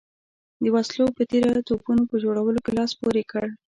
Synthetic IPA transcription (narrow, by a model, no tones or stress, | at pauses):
d̪əwaslopət̪eɾat̪opunopəd͡ʒoɽawəlokelɑspoɾekəɽ